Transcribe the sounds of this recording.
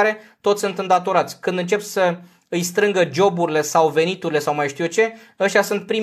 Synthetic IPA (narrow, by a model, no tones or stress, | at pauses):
ɾe̞t̪ot̪sʲsunt̪ɨnd̪at̪o̞ɾat̪sʲkɨnd̪ɨnt͡ʃe̞p̪sə | ɨjst̪ɾɨŋɡəd͡ʒo̞buɾile̞sawve̞nit̪uɾile̞sawmajʃt̪ijut͡ʃe̞ | əʃt̪ʲasunt̪̚pɾim